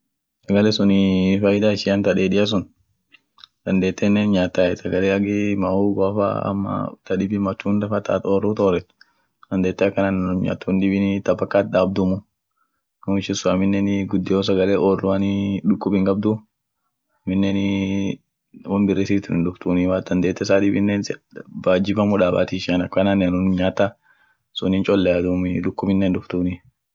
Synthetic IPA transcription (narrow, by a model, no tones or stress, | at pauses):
sɐɡɐlɛsʊnɪfɐjɪd̪aːɪʃɪɐnt̪ɐᶑeːd̪ɪjɐs̬ʊn | d̪̥ɐnd̪eːt̪ːɛnːɛnɲaːt̪ːaːɛsɐɡɐleːɐɡɪmauːɡɔɐfa̰ɐ̰mːɐ̰t̪ɐᶑɪbɪmɐt͡ʃːuːnd̪ɐfɐt̪a̰ːt̪oːrːut̪oːrɛt̪ː | d̪ɐnd̪eːt̪ːɛɐkːɐnanɲa̰ːt̪ːund̪ɪbɪnɪt̪ɐbɐkːaːt̪̚daːb̚d̪ʊmʊ | numɪʃɪnsʊɐmɪnːɛnɡʊd̪ːɪjoːs̬ɐɡɐleːʔoːrːʊɐnɪᶑʊkːʊbɪŋkʼɐb̚d̪ʊ | ɐmɪnːɛn | wɔmbɪrːeːsiːt̪ʊnɪnᶑʊft̪uːnɪwaːd̪ɐnd̪eːt̪ːɛsaːᶑɪbɪnːensbaːd͡ʒɪbɐmʊᶑaːba̰ːt̪iʃɐnɐkːɐnaːnːɪnʊnɲaːt̪ːɐ | sʊnɪnt͡ʃʼɔlːɛad̪umɪᶑʊkːʊbɪnːɛːnd̪ʊft̪uːnɪ